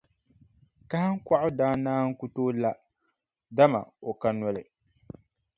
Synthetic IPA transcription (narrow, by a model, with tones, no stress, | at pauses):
ka˦ha˦ŋ˦kʷa˦ʔʊ˦daː˦naː˦ŋ̩˦ku˦toː˦la˦ | da˦ma̰˨o˨ka˦nɔ˦lɨ˨